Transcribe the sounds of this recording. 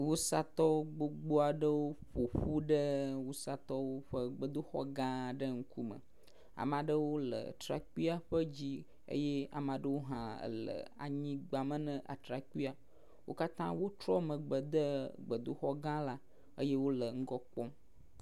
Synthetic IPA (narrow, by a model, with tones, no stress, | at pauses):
wu˦sa˦t̪ɔ˦ɡ͡bo˦ɡ͡bo˦a˨ɖə˦wo˦ɸo˨ɸu˦ɖə˦wu˦sa˦t̪ɔ˦wo˦ɸə˦ɡ͡bə˨d̪o˦xɔ̰˦ɡã˦ɖə˦ŋ̩˦ku˦mə̰̃˨ | a̰˨mã˨ɖə˦wo˦lə̰˨t̪ɾa̰˨ki˦a˨ɸə˦d͡ʑi˦ | ə̰˦je˦a̰˨mã˨ɖə˦wo˦ɦã˨ə̰˨lə̰˨a̰˨ɲĩ˦ɡ͡ba˨mə̃˦nə̃˦ʔa̰˨t̪ɾa˨ki˦a˨ | wo̰˦ka˦t̪ã˦wo˦t̪ɾɔ˦mə̃˨ɡ͡bə˨d̪ə˦ɡ͡bə˨d̪o˦xɔ˦ɡã˦la˦ | ə˦je˦wo˦lə˨ŋ̩˦ɡɔ˦k͡pɔ˦m